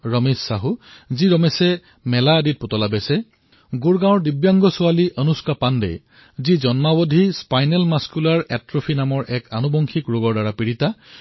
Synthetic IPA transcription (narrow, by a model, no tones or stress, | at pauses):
ɹəmesːaɦuziɹɔmɛsɛ | mɛlaədit̚potɔlabɛsɛ | ɡuɹɡãwɔɹdibjaŋɡɔsʊaliʔənuskapandɛ̰j | zizɔnmabodʱispajnɛlmaskulaɹɛtɹopʰinamɔɹʔɛkʰa̰nubɔŋkʰikɹoɡɔɹdaɹapiɹita